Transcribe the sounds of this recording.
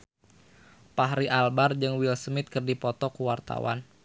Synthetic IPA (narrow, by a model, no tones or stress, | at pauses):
paɦɾiʔalbard͡ʒɨŋwilsmɪt̪̚kərdipɔt̪ɔkuwart̪a̰wa̰n